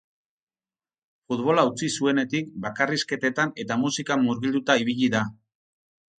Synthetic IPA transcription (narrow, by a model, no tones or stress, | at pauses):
fut̪βo̞laut͡sisue̞ne̞t̪ik̚bakariske̞t̪e̞t̪ane̞t̪amusikamuɾɣild̪ut̪aiβ̞iʎiða